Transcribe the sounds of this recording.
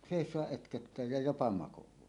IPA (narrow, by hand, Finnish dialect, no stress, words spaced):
seˑisˑoɑʔ ʔøtkøtːæː jɑ jopɑ mɑkowˑɑːhi